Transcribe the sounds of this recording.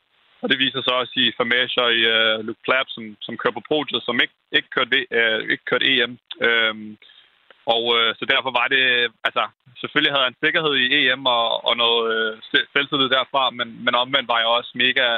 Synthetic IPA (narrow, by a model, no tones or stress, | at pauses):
ɒ̽d̥e̝ʋḭːsɐsɒ̽ɒ̽sifæmæɕɐiluɡ̥̚pʰlæb̥sɒ̽msɒ̽mkʰøɐpʰɒ̽pʰʁo̝̰ːd̥əsɒ̽meɡ̥̚ | e̝ɡ̥əkʰøɐd̥ee̝ɡ̥əkʰøɐɾ̥e̝̰ːemøm | ɒʊøsɒ̽d̥æɐfɒ̽ʋɑ̈d̥e̝ælsɐ | sefølihæðˠæense̝ɡ̥ɐɦe̝ð̞̰ˠie̝̰emɒːnɔ̽ːð̩ˠseselsʰið̩ˠd̥æɐ̰fʁɑ̈menmenɒ̽mʋen̰d̥ʋɑ̈jaʊɒ̽sme̝ːɡ̥æ